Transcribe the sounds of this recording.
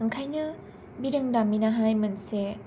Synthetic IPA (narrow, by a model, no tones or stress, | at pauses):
ɯŋkʰajnɯ | biɾɯŋdaminaɦajmɯnse